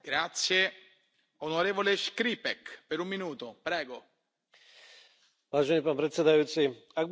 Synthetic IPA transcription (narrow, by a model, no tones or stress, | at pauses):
ɡ̥ɾat̪sje | onoɾeːvoleʃkɾipɛkpeɾumːinuːt̪opɾɛːɡo | vaːʒɛniːpaːnpɾɛt̪sɛd̪ajuːt̪siaɡ̚b